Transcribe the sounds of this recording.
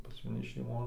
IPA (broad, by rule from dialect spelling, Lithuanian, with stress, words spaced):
mɐˈnʲɪ ʃʲɛɪˈmoːn